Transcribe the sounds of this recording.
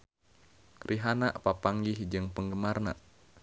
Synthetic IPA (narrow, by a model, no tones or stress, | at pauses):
rʔiɦanaʔpapaŋɡihd͡ʒɨŋpəŋɡəmarna̰ʔ